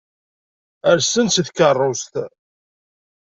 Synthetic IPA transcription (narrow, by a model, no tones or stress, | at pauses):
əɾsənsθkərˤːost̪